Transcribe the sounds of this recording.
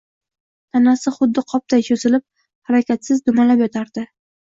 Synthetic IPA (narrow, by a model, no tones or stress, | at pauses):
t̪ʰanasɪχʊd̪ːɪqʰɒp̚t̪ʰajʃʰɵzɪlɪp̚ | haɾakʲat̪sɪzd̪ʊmalapjɒt̪ʰaɾd̪̥ɪ